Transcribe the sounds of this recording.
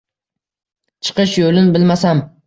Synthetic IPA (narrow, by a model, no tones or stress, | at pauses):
t͡ʃʰɨ̥qɨʃjolɪnbɪlmasam